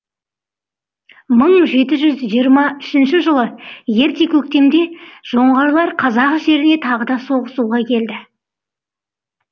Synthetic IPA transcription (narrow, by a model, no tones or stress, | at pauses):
məɴʒe̞t̪ɪʒʏzʒijəɾmɑʏʃɪnʃɪʒəlˠəje̞ɾt̪e̞kʲʰɵk̚t̪e̞md̪e̞ʒ̥o̞ɴʁɑɾlˠɑɾqʰɑzɑqʒe̞ɾɪne̞t̪ʰɑʁəd̪ɑso̞ʁəsuʁɑkʲʰe̞ld̪ɪ